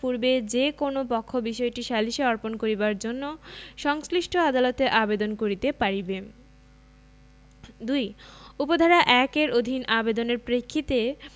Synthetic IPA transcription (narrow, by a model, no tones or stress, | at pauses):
puɾbed͡ʑekonopɔkʰːobiʃɔeʈiʃaliʃeɔɾponkoɾibaɾd͡ʑonːoʃɔŋsliʃʈʰoad̪alot̪eʔabed̪onkoɾit̪epaɾibe | d̪ujupod̪ʱaɾaʔɛkeɾʔod̪ʱinabed̪oneɾpɾekʰːit̪e